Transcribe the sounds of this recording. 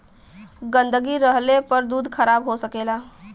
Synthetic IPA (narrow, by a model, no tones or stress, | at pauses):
ɡə̃nd̪ʱəɡiɾəɦlepəɾd̪uːd̪ʱkʰəɾaːbɦosəkeːla